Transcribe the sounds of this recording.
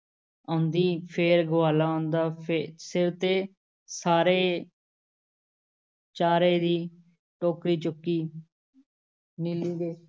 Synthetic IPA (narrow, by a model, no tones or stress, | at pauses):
ə̃ːnd̪iːpʰeːɾɡʊʋaːlaːõːnd̪aːpʰesɪɾt̪eː | saːɾeː | t͡ʃaːɾeːd̪iː | ʈoːkɾiːt͡ʃʊkːiː | niliːd̪eː